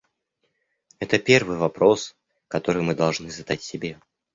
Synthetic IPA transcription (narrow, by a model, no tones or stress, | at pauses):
ɛt̪əpʲe̞rvɨjvɐpɾo̞s | kɐt̪o̞ɾɨjmɨd̪ɐlˠʐnɨzɐd̪atʲsʲɪbʲe